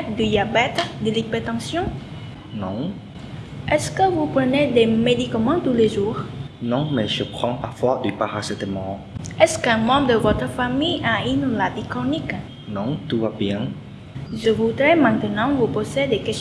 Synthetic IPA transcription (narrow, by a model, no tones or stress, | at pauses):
d̪yd̪iabɛt̪d̪əlipɛt̪ɑ̃sjɔ̃ | nɔ̃ | ɛskəvupχəned̪emed̪ikamɑ̃t̪uleʒuːʁ | nɔ̃mɛʒəpχɑ̃pafwɔd̪ypaʁasɛ̃t̪əmɑ̃ | ɛskɛ̃mɑ̃bʁəd̪əvɔt̪χəfamijainɔ̃labikχɔnik | nɔ̃t̪uvabjɛ̃ | ʒəvud̪ʁɛmɛ̃t̪ənɑ̃vupozed̪ekɛs